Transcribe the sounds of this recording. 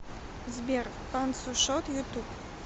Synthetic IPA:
zʲbʲɛr | pansuʃɔt̪jut̪up

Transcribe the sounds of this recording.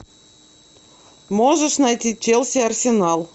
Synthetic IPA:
moʐəʂnajtʲit͡ɕelʲˠsʲearsʲenɑlˠ

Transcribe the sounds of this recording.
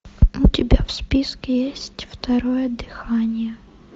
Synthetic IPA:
ʊtʲɪbʲafspʲiskʲɪjesʲtʲft̪ɐɾojəɐd̪ːɨxanʲɪjə

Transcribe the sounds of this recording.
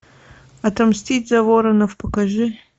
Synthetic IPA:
ɐtʰɐmstʲitʲzɐvoɾɐnɐfpʰɐkɐʒɨ

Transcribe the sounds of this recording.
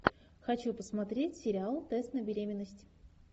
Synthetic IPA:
xɐt͡ɕupəsmɐt̪ɾʲetʲsʲɪɾʲɪalˠt̪ɛst̪nəbʲɪɾʲemʲɪnːəsʲtʲɪ

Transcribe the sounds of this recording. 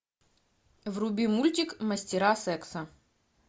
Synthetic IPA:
vrʊbʲimulʲtʲɪkmɐsʲtʲɪɾasɛksɐ

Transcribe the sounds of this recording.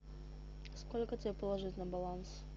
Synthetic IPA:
skolʲkətʲɪbʲepəlˠɐʐɨtʲnəbɐlˠans

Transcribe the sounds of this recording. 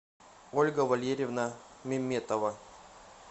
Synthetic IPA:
olʲɡəvɐlʲeɾʲɪvnəmʲɪmʲːet̪əvɐ

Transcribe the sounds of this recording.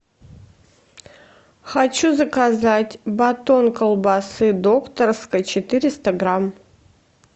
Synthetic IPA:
xat͡ɕuzəkazatʲbɐt̪o̞nkəlˠbasɨd̪okt̪ərskəjt͡ɕɪt̪ɨɾʲɪst̪əɡɾam

